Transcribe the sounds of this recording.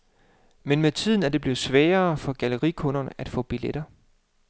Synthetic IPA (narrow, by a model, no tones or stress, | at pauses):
menmet͡sʰið̞̰ˠn̩æɐd̥e̝b̥le̝ːð̩ˠsʋɛːɐːfɒ̽ɡ̥æləʁḭkʰɔ̽nɐnəæd̥fɔ̰̽ːb̥iled̥ɐ